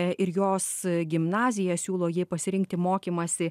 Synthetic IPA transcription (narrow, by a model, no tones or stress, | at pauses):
ɪɾjoːsɡʲɪmnɑːzʲɪjɛsʲuːlˠoːjiːpɐsʲɪɾʲɪŋkt̪ʲɪmoːkʲiːmɐsʲɪ